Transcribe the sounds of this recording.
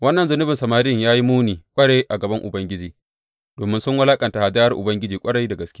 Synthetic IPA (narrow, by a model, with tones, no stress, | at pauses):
wɐ˦nːɐ˨nzʊ˦nʊ˦bɪ˨nsɐ˨maː˨ɾɪ˦ɪ˦ŋjaː˦ji˦muː˦niː˨kʷʼɐ˦ɽeː˦ʔa˨ɡɐ˨bɐ˦ŋʔʊ˨bɐ˦ŋɡʲɪ˦d͡ʒiː˨ | d̥oː˨mɪ˦nsʊ˦ŋwɐ˦laː˦kʼɐ˨nta˨ha˨d͡ʒaː˦jɐ˦rʔʊ̰˨bɐ˦ŋɡʲɪ˦d͡ʒiː˨kʷʼɐ˦ɽɐ˦jda˨ɡɐ˨skʲɪ˦